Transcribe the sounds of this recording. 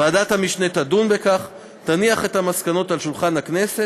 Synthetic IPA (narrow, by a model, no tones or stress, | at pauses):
aːdat̪hamiʃne̞tadunbe̞kaχ | taniaχe̞thamaskano̞talʃulχanhakne̞se